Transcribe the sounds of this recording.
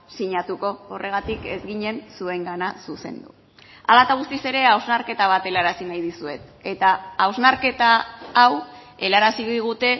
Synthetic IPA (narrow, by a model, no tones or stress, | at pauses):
siɲat̪uko̞ːrʔe̞ɣ̞at̪ike̞zɣiɲe̞nsue̞ŋɡanasuse̞̰nd̪ṵ | a̰lat̪aɣ̞ust̪ise̞ɾe̞awznaɾke̞t̪aβ̞at̪e̞laɾasinajðisue̞t̪e̞t̪aːwznaɾke̞t̪aːwe̞laɾasiɣðiɣ̞ut̪e̞